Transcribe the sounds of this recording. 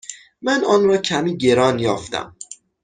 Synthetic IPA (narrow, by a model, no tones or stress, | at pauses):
mænɒːnɾɒːcʰæmiːɟe̞ɾɒːnjɒːft̪æ̰m